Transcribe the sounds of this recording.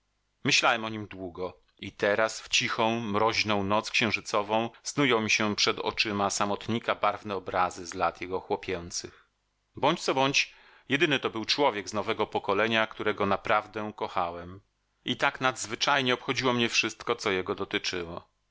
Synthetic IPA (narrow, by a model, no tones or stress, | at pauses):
mɘɕlawɛmɔɲimd̪wuɡɔ | it̪ɛɾasft͡ɕixɔ̃w̃mɾɔʑnɔ̃w̃nɔt̪skɕɛ̃wʐɘt̪sɔvɔ̃w̃snujɔ̃w̃mʲiɕɛpʂɛd̪ɔ̰t͡ʂɘmasamɔt̪ɲikabaɾvnɛɔbɾazɘzlat̪jɛɡɔxwɔpʲjɛnt̪sɘx | bɔɲt͡ɕt̪sɔbɔɲt͡ɕ | jɛd̪ɘnɘt̪ɔbɘwt͡ʂwɔvʲjɛɡznɔvɛɡɔpɔkɔlɛɲakt̪uɾɛɡɔnapɾavd̪ɛkɔxawɛm | it̪aknad̪zvɘt͡ʂajɲɛɔpxɔd͡ʑiwɔmɲɛfʂɘst̪kɔt̪sɔjɛɡɔd̪ɔt̪ɘt͡ʂɘwɔ